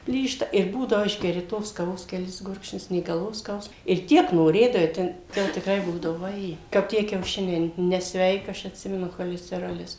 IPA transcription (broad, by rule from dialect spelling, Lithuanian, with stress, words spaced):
ˈpʲlʲiːʃtɐ ɪr ˈbuːdɐʋoː ˈɪʒʲɡʲɛrʲɪ toːs kɐˈʋoːs kʲɛˈlʲɪs ˈɡʊrkʃʲnʲʊs nʲeː ɡɐlˠˈʋoːs ˈskɐʊsm ɪr ˈtʲiɛk noːˈrʲeːdɐʋɐɪ ˈtʲɛn ˈkɐ jɛʊ tʲɪkˈrɐɪ ˈbuːdɐʋʊ ʋɐˈjeː kɐp ˈtʲiɛ kʲɛʊˈʃʲɪnʲɛɪ nʲɛsʲˈʋʲɛɪkɐ ˈɐʃ ɐtʲˈsʲɪmʲɛnʊ xoːlʲɛsʲtʲɛˈroːlʲɪs